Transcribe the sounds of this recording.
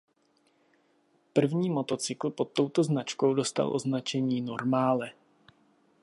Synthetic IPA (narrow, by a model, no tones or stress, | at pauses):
pr̩vɲiːmo̞t̪o̞t͡sɪkl̩po̞t̪ːo̞wt̪o̞znat͡ʃko̞wdo̞st̪a̰lʔo̞znat͡ʃɛɲiːno̞ɾmaːlɛ